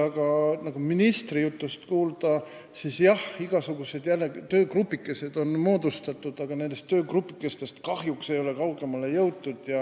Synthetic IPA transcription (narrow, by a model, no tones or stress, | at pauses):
ɑɡ̥ɑnɑɡ̥uminist̪rijut̪ːˑust̪kuːld̪̥ɑ | sisjɑhiɡ̥ɑsuɡ̥use̞d̪jælːeɡt̪ø̞ːkrupːˑikːˑe̞se̞d̪̥o̞nmo̞ːd̪̥ust̪ɑt̪ːˑud̪̥ɑɡ̥ɑne̞nd̪e̞st̪ːø̞ːkrupːˑikːˑe̞st̪e̞st̪kɑhjukse̞jo̞le̞kɑwɡe̞mɑle̞jɤwt̪ːud̪̥jɑ